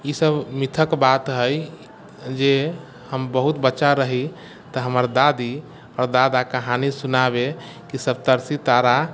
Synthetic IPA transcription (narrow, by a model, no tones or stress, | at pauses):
isəbmit̪ʰəkbat̪ɦəj | d͡ʒe | həmbəɦut̪bətːt͡ʃaɾəɦi | t̪əɦəməɾd̪ad̪i | ɔɾd̪ad̪akəɦanisunabe | kisəbt̪əɾsit̪aɾa